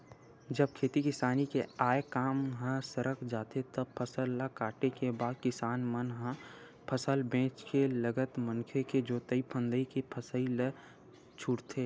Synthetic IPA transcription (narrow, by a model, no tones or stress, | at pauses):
d͡ʒəb̚kʰeːt̪ikɪsaːnikeaːekaːmɦə̃səɾəkʰd͡ʒaːt̪et̪əb̚pʰəsəlːakaːʈekebaːd̪̚kɪsaːnmənɦə̃ | pʰəsəlbẽːt͡ʃkeləɡət̪mənkʰeked͡ʒoːt̪əipʰə̃nd̪əikipʰəsəilə | t͡ʃʰʊɽt̪ʰeː